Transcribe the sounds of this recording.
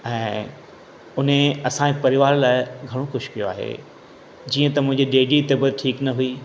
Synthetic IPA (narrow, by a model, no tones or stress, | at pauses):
ɛ̃ː | ʊn̤eɐsãepɐɾɪʋaːɾlaːɪɡʱɐɽ̃oxʊʃkijo̰a̰ːɦḛː | d͡ʑiːə̃t̪ɐmʊ̃ɦɪ̃ɲd͡ʑiɗeːɖit̪ɐbəɾʈʰiːknɐɦui